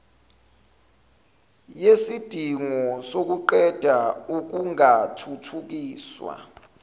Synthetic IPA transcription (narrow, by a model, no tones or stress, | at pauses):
jesid̥ʱiŋɔsok̬uǃɛd̥ʱauk̬uŋatʰutʰuk̬iːswa̰